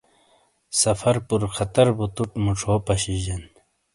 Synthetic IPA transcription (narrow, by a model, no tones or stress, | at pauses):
sɐfɐɾpuɾkʰɐt̪ɐɾbut̪uʈmuʈ͡ʂʰoːpɐɕiʑen